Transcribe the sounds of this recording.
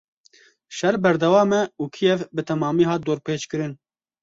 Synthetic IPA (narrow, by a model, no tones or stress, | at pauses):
ʃɛɾbɛɾd̪ɛwɑːmɛuːkʰijɛvbɨt̪ʰɛmɑːmiːɦɑːt̪̚d̪oːɾpʰeːt͡ʃkɨɾɨn